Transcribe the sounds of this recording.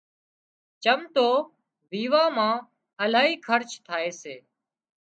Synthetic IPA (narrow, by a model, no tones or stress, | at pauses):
t͡ʃəmt̪oː | ʋiːʋaːmãː | əlaːɦiːkʰəɾt͡ʃt̪ʰaːeːseː